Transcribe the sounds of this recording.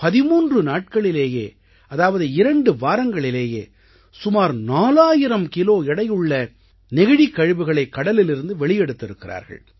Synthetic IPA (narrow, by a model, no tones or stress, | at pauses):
pɐðɪmuːndrɯnaːʈ̚kɐɭɪleːjeː | ɐðaːʋɐðɯɪɾɐɳɖɯʋaːɾɐŋɡɐɭɪleːjeː | sʊmaːɾnaːlaːjɪɾɐmkɪloːɪɽɐjɯɭːɐ | nɪɣɪɽikːɐɻɯʋɯɣɐɭɐɪkːɐɽɐlɪlɪɾɯnd̪ɯʋɛɭɪjɛɽɯt̪ːɪɾɯkːɪɾa̰ːɾɣɐ̰ɭ